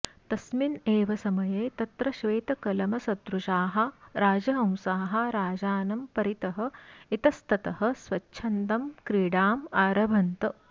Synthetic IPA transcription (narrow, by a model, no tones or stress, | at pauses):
t̪ɐsmineːʋɐsɐmɐjeːt̪ɐt̪ɾɐʃʋeːt̪ɐkɐlɐmɐsɐt̪ɾuʃaːɦɐ̆ɾaːd͡ʒɐɦɐ̃wsaːɦɐ̆ɾaːd͡ʒaːnɐmpɐɾit̪ɐɦɐ̆it̪ɐst̪ɐt̪ɐhɐ̆sʋɐt͡ʃːʃʰɐnt̪ɐmkɾiːɽaːmaːɾɐbʱɐnt̪ɐ